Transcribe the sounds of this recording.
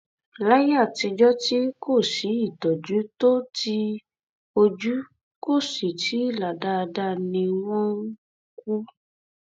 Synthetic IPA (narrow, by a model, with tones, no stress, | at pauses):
la˦ja˦˨ti˧d͡ʒɔ˦ti˦ko˦˨si˨˦i˦˨tɔ˨d͡ʒu˨˦to˦ti˧ | o˧d͡ʒu˦ | ko˦˨si˨tʰi˨˦la˨da˧da˧nĩ˧w̃ɔ̃˦ | k̚u˦